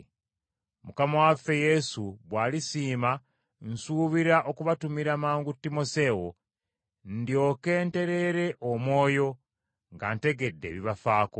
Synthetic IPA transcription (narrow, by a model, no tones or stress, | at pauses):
mukamawafːe̞je̞suβwaːlisiːma | n̩suːβiɾaʔo̞kuβatumiɾamaːŋɡutːimo̞se̞wo̞ | ndjo̞ːke̞ːnte̞ɾe̞ɾe̞ʔomwo̞ːjo̞ | ŋɡante̞ɡe̞dːe̞̰βiβafaːko